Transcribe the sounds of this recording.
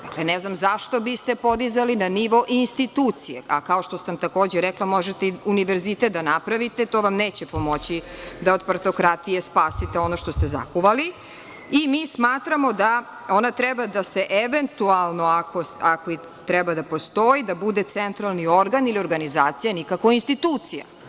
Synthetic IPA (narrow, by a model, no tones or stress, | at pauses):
d̪aklenɛznamzaʃt̪o̞bist̪e̞pod̪izalinaniʋo̞ʔinst̪it̪uːt̪sijea̰kao̞ʃt̪o̞samt̪ako̞ːd͡ʑeɾɛklˠamo̞ʒet̪eiuniʋeɾzit̪et̪̚d̪anapɾaʋit̪et̪oʋamneːt͡ɕepo̞mo̞t͡ɕid̪aod̪paɾt̪o̞kɾat̪ijespaːsit̪eo̞noʃt̪o̞st̪eza̰kuʋali | imiːsmaːt̪ɾamo̞d̪a | o̞nat̪ɾɛbad̪aseʔeʋent̪ualˠno̞ako̞sakoi | t̪ɾɛbad̪apo̞st̪o̞id̪abud̪et̪sent̪ɾalˠnio̞ɾɡanilio̞ɾɡanizaːt̪sijanikako̞inst̪it̪uːt̪sija̰